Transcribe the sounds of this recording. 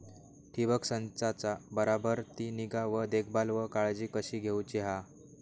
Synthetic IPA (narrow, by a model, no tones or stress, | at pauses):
ʈ̪ʰibəksənt͡sat͡sabəɾabəɾt̪iːniɡaʋəd̪ekʰbalʋəkaɭd͡ʑiːkəɕiːɡʱewt͡ɕiɦa